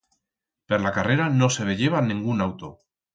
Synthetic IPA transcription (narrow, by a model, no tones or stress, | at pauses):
peɾlakare̞ɾano̞se̞βe̞ʎe̞β̞anĩŋɡunawt̪o